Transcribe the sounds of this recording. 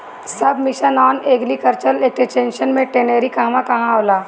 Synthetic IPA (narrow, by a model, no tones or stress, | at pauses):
sɐb̚mɪʃənaːneːɡlikɐɾt͡ʃəleːkset͡ʃẽːnʃənmẽʈeneːɾikɐɦmãkɐɦãaːlaː